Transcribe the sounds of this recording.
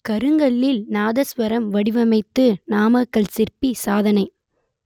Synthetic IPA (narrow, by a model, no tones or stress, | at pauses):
kɐɾɯŋɡɐɭːɪlnaːðɐsʋɐɾɐmʋɐɽɪʋɐmɐɪt̪ːɯnaːmɐkːɐɭsɪrpisaːðɐnɐɪ